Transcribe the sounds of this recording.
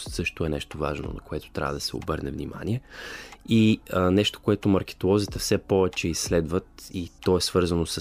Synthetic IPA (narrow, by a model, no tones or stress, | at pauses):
st̪sɤʃt̪oɛnɛʃt̪ova̰ʒno̰nɐ̰koɛt̪o̥t̪ɾʲavəd̪ɐsɛo̰bɤɾnɛvnima̰niɛ | iənɛʃt̪o̥koɛt̪omɐɾk̟ɛ̥t̪olˠɔzit̪əfsɛpɔvɛt͡ʃɛisːlɛd̪vət̪it̪ɔɛsvɤɾzənosə